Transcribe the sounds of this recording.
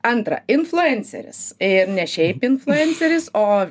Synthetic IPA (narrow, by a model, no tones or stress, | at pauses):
ɐnt̪ɾɐ̰ɪnflˠʲʊɛnʲsʲɛ̰ɾʲɪ̰sɪɾnʲɛʃʲɛɪpɪnflʲˠʊɛnʲt͡s̪ʲɛɾʲɪsoː